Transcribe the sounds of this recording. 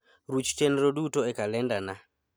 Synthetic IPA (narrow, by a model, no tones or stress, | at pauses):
ɾut͡ʃtɛnɛɾoɗutɔɛkalɛndana